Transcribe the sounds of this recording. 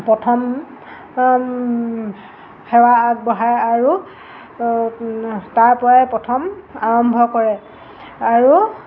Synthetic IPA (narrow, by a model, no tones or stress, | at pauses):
pɹɔtʰɔm | xɛwaːɡ̚bɔɦajaɹu | taɹpɔaɛpɔtʰɔmaɹɔmbʱɔkɔɹɛ | aɹu